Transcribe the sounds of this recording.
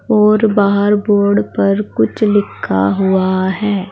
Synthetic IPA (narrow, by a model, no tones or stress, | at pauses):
ɔːɾbaːɦəɾboːɾɖpəɾkʊt͡ʃʰlɪkʰːa̰ɦʊaɦɛː